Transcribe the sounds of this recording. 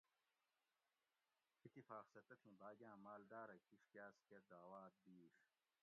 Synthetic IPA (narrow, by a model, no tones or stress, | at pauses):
it̪ːifaːqsɐt̪ɐt̪ʰĩːbaːɡjãːmaːld̪aːɾɐkiʂkjaːsked̪aːwaːd̪̚biːʂ